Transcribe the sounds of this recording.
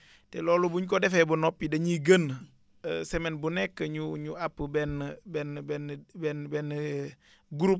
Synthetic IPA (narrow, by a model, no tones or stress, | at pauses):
tɛlɔːlubuɲkɔdɛfɛːbunɔpːidɐɲiɡən | sɛmɛnbunɛkːəɲuɲuapːəbɛnbɛnbɛnbɛnbɛn | ɡuɾup̚